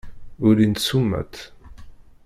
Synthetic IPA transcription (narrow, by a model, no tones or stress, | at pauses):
ʊɾint̪sumːæ̰t̪